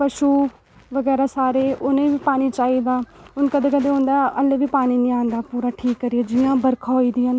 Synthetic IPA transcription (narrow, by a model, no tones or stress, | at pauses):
pəʃuː | ʋəɡɛːɾaːsaːɾeːʔʊnẽːʋiːpaːniːt͡ʃaːiːd̪aːʊnkəd̪eːkəd̪eːɦõːnd̪aːʔəlːeːʋiːpaːniːnĩːãːnd̪aːpuːɾaːʈʰiːkːəɾiaːd͡ʒiːãːbəɾkʰaːiːd̪ɪjaːn